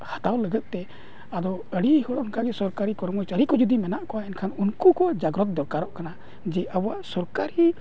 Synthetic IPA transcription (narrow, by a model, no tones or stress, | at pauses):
hat̪awləɡət̪̚ˀt̪ɛ | ad̪ɔəɽihɔɽɔnkaɡɛsɔɾkaɾikɔɾmɔjt͡ʃəɾikɔd͡ʒud̪imɛnaʔkɔaɛnkʰanunkukɔd͡ʒaɡɾɔt̪̚d̪ɔkaɾɔʔkana | d͡ʒɛʔabɔaʔsɔɾkaɾi